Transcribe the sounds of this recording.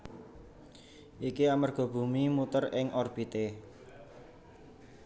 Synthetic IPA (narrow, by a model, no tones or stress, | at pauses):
ʔikiamarɡ̥ɔ̤b̥ṳmimut̪ərɪŋɔrb̥it̪e